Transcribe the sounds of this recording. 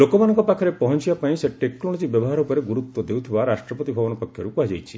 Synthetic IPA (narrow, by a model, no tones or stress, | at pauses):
lokɔmanɔ̃ŋkɔpakʰɔɾepɔɦɔnt͡ʃibapaĩseʈːekːɾɔɽ̃ɔd͡ʒibjɔbɔɦaɾɔupɔɾeɡuɾut̪wɔd̪ewt̪ʰibaɾasʈɾɔpɔt̪ibʱɔbɔnɔpɔkʰjɔɾukuɦad͡ʒajt͡ʃʰi̥